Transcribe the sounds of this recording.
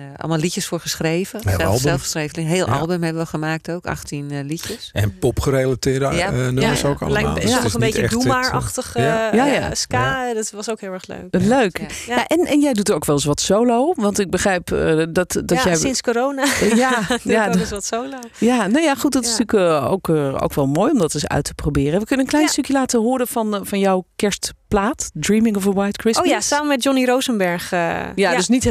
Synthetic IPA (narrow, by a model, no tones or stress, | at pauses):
ʔɑ̰lˠmalˠlicəsfʊːɹχəsxrejvəeɛl̰ˠlˠsɛlˠfsrejvəlɪŋɦeːlˠʔɑ̰lˠbəmheʋəʋɔlˠxəmaːk̚towka̰xtinlicəsɛ̰npɔpχəɾelatɪːdənøəso̰ːkɑ̰ləlɛa̰ːlˠjasənbitəɛdumaɹɑxtəxajajaskaːdɔtʋɔsoːkhɪːlˠɛɹxlø̰ːkløːkjjaʔɛnɛnjɛjdutərowkʋɛlˠɪs̬ʋɔtsoloːʋɑntɪɡ̚bəχrɛjpːdɔtdɔjɛjɪnskoɾownajajasɔtsowlo | janoːjaχut̚dɔtɪ̥styːko̰wko̰wkʋɛlˠmoːjɔmdɑtɪsœ̰ɥtʰə̥probɪːrəɛʋəkønənklɛjnstøkʰjəlaːtəɦʊːɾənɑnfɑnjɔwkɛɹstplaːtdɹimɪŋɔfəwajtkɹɪsjsaːməmɛt̚jɔniɾowzənbɛɹχjadøsnit